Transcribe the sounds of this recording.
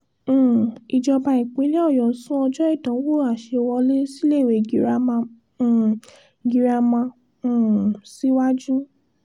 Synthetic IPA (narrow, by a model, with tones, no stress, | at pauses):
i˨d͡ʒɔ˧ba˧i˨k͡pĩ˨˦le˦ɔ˦˨jɔ˨sũ˦ɔ˧d͡ʒɔ˦i˦˨tã˨˦wo˦˨a˨ʃe˧wɔ˧le˦si˦le˦˨we˨i˨ɾã˦˧˨ | ɡi˧ɾa˧mã˧˨ | si˦wa˦d͡ʒũ˦